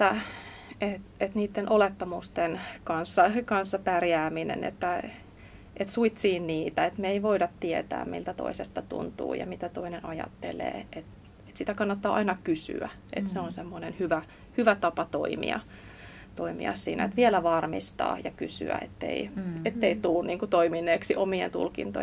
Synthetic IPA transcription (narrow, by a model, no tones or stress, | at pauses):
et̪ːæ | et̪et̪niːt̪ːenʔolet̪ːɑmust̪enkɑnsːɑkɑnsːɑpærjæːminḛnḛt̪ːæ | ʔet̪suit̪siːnniːt̪æet̪meeiʋoidɑt̪tiet̪æ̰ːmmḭlt̪æt̪o̰isest̪ɑt̪ṵnt̪ṵːjɑ̰mit̪æt̪oinenɑjɑ̰t̪ːḛlḛːʔet̪ | et̪sit̪ækɑnːɑt̪ːɑːɑinɑkysy̰æ | ʔet̪seonsemːonenhyʋæ | hyʋæt̪ɑpɑt̪oimḭɑ̰ | t̪oimḭɑ̰ssḭːnæ̰et̪ʋielæʋɑrmḭst̪ɑ̰ːjɑkysy̰æ̰ḛt̪ːḛiet̪ːeit̪ulːuniːŋkut̪oiminːeːksiʔomiḛnt̪ṵlkḭnt̪o̰